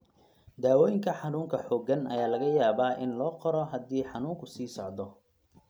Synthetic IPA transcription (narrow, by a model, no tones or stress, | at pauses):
d̪aːwɔːjɪŋkʰɐħɑnuːŋkʰɐħɔːɡɐnɐ̰jaːlɐɣɐjaːβaːʔɪnlɔːqɔɾɔɦɐd̪iːħɑnuːŋkʰʊsiːsɔʕd̪ɔ